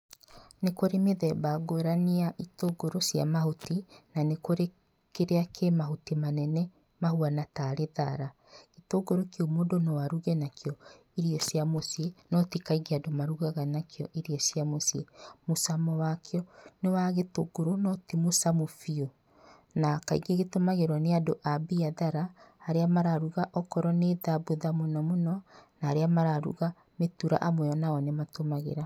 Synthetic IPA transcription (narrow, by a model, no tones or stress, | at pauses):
nekoɾemeðɛbaɡoɾaniaʔitoɡoɾosja̰mahotinanekoɾe | keɾeakʰemaɦotimanɛnɛ | mahuanataːɾeðaɾa | itoɡoɾokiomodonɔwaɾuɣɛnakjɔ | iɾiɛsiamosienɔtikaiɣeadɔmaɾuɣaɣanakʰjɔʔiɾiɛsjamosemosamɔwakʰeɔnewaɣetoɡoɾonɔtimosamofio | nakaḭɡeɣetomaɣeɾwɔneadoʔabiaðaɾaːɾeamaɾaɾuɣaʔɔkɔɾɔneðaboðamonɔmonɔnaːɾeamaɾaɾṵɣa | metuɾa̰ʔamwɛɔnaɔnematomaɣḛɾa